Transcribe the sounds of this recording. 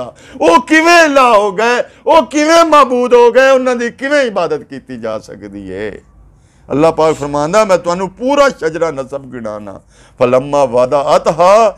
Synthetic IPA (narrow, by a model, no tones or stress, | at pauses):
aː | oːkɪʋẽːɪlaːɦoːɡəɛː | oːkɪʋẽːmaːbuːd̪ɦoːɡəɛːʊnãːd̪iːkɪʋẽːɪbaːd̪ət̪kiːt̪iːd͡ʒa̰ːsə̰kd̪ḭːɦɛ̰ː | ə̰lːaːpaːkpʰəɾmãːnd̪aːmɛ̃ːt̪ʊɦaːnũːpuːɾaːʃəd͡ʒɾaːnəsəbɡɪɽa̰ːna̰ː | pʰələmːãːʋaːd̪aːət̪ɦaː